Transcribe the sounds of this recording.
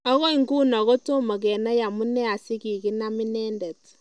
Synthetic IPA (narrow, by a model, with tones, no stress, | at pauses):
ɔ˦ɣɔ˦i˨ŋɡu˦nɔ˨ɣɔ˦to˦mɔ˨k̬ɛ˨na˦ja˨mu˦nɛ˦a˨sɪ˦ki˨kɪ˦na˦mɪ˦nɛ˦ndɛ˨t